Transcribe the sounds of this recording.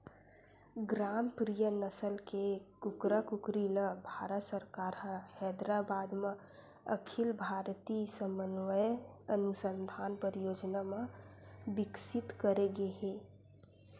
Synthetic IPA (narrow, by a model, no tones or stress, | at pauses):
ɡɾaːmpɾijənəsəlkekʊkɾəkʊkɾiləbʱaːɾət̪səɾkaːɾɦəhɛːd̪ɾabaːd̪mã | ə̰kʰɪlbʱaːɾt̪isəmənʋəjənʊsə̃nd̪ʱaːnpəɾjoːd͡ʒnamã | bɪksɪt̪kəɾeɡeɦẽː